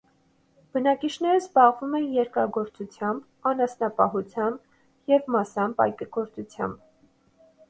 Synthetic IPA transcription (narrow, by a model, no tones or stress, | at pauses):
b̥ənɑkit͡ʃʰnɛɾəzbɑʁvumɛnjɛɾkɑɡɔɾt͡sut͡sʰjɑmb | ɑnɑsnɑpɑɦut͡sʰjɑmb | jɛvmɑsɑmbɑ̰jkɡɔɾt͡sut͡sʰjɑ̰mb